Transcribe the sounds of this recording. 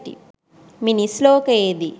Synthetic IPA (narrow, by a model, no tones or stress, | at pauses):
ʈḭ | minisloːked̪i